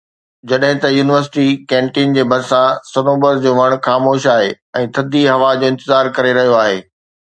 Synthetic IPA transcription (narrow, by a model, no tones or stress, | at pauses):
d͡ʑɐɗɦɪ̃t̪ɐjuːnɪʋəɾsɪ̥ʈikɛ̃ːɳʈiːnd͡ʑeːbʱɐɾsãsɐnoːbəɾd͡ʑoːʋɐɽ̃xaːmoːʃaːɦe | ɛ̃ːt̪ʰɐd̪ʱiɦɐʋad͡ʑoːɪ̃nt̪ɪzaːɾkɐɾeɾɐɦijoaːɦeː